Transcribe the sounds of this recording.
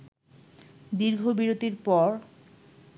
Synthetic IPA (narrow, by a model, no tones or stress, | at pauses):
d̪iɾɡʱobiɾot̪iɾpɔɾ